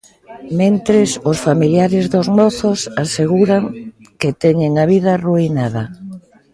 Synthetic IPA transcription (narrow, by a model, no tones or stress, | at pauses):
mẽnt̪ɾɪsʊsfamiljaɾɪzðʊzmɔθʊsaseɣuɾaŋ | kɪt̪ɛɲeŋaβ̞iðɐruinaðɐ